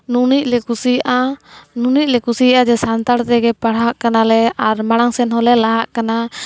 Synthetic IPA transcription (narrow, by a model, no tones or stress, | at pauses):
nunic̚lɛkusiaʔanunic̚ˀlɛkusijaʔad͡ʒɛsant̪aɽt̪ɛɡɛpaɽ̤ɦaʔkanalɛaɾmaɽ̃aŋsɛnɦɔlɛlaɦaʔkana